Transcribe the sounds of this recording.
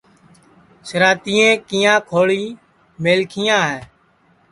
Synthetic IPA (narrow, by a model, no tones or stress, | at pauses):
səɾaːt̪iːẽːkiːãːkʰoːɭiː | meːlkʰɪjãːɦɛː